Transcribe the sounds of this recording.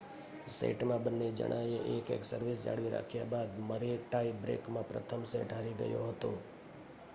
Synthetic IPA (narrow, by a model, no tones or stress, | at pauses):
sḛʈmãbənːed͡ʒə̰ɽʔajeʔekeksəɾʋisd͡ʒa̰ɽʋiɾa̰kʰjabad̪məɾeʈaibɾḛkmãpɾət̪ʰəmseʈɦaɾiɡə̰joɦət̪o